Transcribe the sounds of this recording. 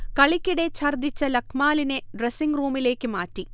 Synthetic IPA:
kɐɭikʲːiɽet͡ɕʰɐrd̪ʱit͡ɕːɐlɐkʰmaːlineɖresiŋɡruːmile̞ːkːɨmaːʈːi

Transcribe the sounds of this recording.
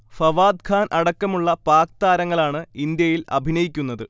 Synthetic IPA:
fɐʋaːd̪̚kʰaːnʔɐɽɐkːɐmuɭːɐpaːk̚t̪aːɾɐŋːɐɭaːɳɨind̪jɐjilɐ̰bʱinɐjikʲːunːɐðɨ

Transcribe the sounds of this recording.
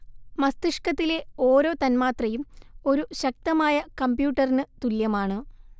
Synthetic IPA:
mɐst̪iʂkɐt̪ːile̞o̞ːɾo̞ːt̪ɐnmaːt̪rɐjumo̞ɾuɕɐk̚t̪ɐmaːjɐkɐmbjuːʈːɐrinɨt̪uljɐmaːɳɨ

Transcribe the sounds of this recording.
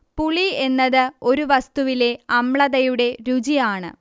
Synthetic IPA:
puɭie̞nːɐðɨo̞ɾuʋɐst̪uʋile̞ɐmɭɐðɐjuɽe̞ɾud͡ʑijaːɳɨ̰

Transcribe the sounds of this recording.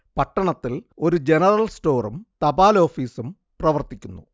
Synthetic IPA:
pɐʈːɐɳɐt̪ːilo̞ɾud͡ʑe̞nɐrɐlsʈo̞ːrumt̪ɐbaːlo̞ːfiːsum | prɐʋɐrt̪ikʲːunːu

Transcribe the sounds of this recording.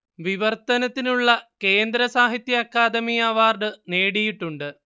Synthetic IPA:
ʋiʋɐrt̪ɐnɐt̪ːinuɭːɐke̞ːnd̪ɾɐsaːɦit̪jɐːkːaːd̪ɐmijaːʋaːrɖɨne̞ːɽijiʈːuɳɖɨ

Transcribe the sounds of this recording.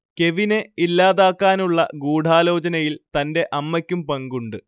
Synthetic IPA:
ke̞ʋineilːaːðaːkːaːnuɭːɐ̰ɡuːɖʱaːlo̞ːt͡ɕɐnɐjilt̪ɐnde̞ʔɐmːɐkʲːumpɐŋɡuɳɖɨ

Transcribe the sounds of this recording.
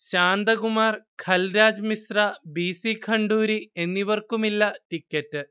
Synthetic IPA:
ɕaːnd̪ɐɡumaːrkʰɐlɾaːd͡ʑmisrabiːsikʰɐɳɖuːɾie̞nːiʋɐrkumilːɐʈikːɐʈːɨ

